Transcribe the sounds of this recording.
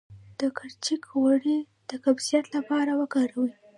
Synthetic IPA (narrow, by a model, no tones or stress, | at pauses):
d̪̥əkʰaɾt͡ʃikwaɽi | d̪̥əkabsijat̪lapɑɾawəkɑɾawi